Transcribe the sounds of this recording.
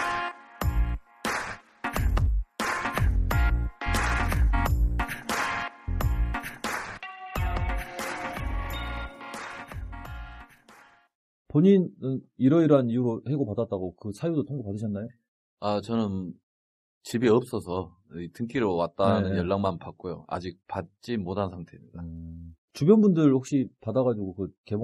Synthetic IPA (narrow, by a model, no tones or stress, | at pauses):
poɲinɯniɾʌiɾɦanijuɾohe̞ɡopadat͈̚aɡokɯsʰajudotʰoŋɡopadɯɕʰʌnːajo | at͡ɕʌnɯn | t͡ɕibiʌp̚s͈ʌsʰʌ | itʰɯŋk͈ʰiɾowat̚t͈anɯnjʌɭːaŋmanpak͈̚ojoa̰d͡ʑik̚pat̚t͡ɕ͈imotʰansʰaŋtʰe̞mːɡa | t͡ɕubjʌnbundɯɭhok̚ɕ͈ipadaɣad͡ʑiɡokɯke̞bo